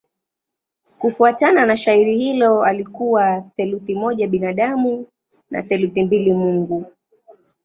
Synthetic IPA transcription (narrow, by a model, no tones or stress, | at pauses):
kufuatananaʃaiɾihilɔalikuwaθɛluθimɔʄaɓinaɗamu | na̰θɛluθimbilimuŋɡu